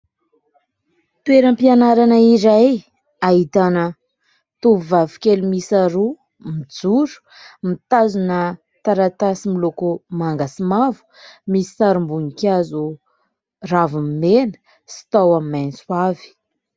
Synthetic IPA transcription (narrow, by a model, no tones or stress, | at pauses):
t̪ueɾəmpianaɾanəiɾaj | ait̪anə | t̪uvuvavikʲelumisaɾu | mid͡zuɾu̥ | mit̪azunə | t̪aɾat̪asimilokumaŋɡasimavu̥misi̥saɾumbunikazu | ravumimenə̥ | si̥t̪awamimajnsuavi̥